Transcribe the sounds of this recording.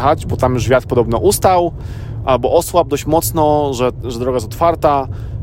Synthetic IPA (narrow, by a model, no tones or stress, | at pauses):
xad͡ʑbɔt̪amjuʐvʲjat̪pɔd̪ɔbnɔʔust̪aw | ʔalbɔʔɔswab̚d̪ɔɕt͡ɕmɔt̪snɔʐɛʐɛd̪ɾɔɡajɛsɔ̥t̪faɾt̪a